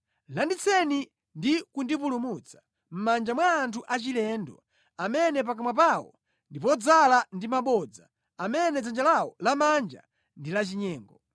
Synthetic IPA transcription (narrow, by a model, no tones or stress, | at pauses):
landit͡sʰɛni | ndikundipulumut͡sʰḁ | m̩mand͡ʒamwaːntʰuʔat͡ʃilɛndɔ̰ | amɛnɛp̬akamwap̬awɔ̰ | ndipɔd͡zalandimaɓɔd͡za | amɛnɛd͡zand͡ʒalawɔlamand͡ʒa̰ | ndilat͡ʃiɲɛːŋɡɔ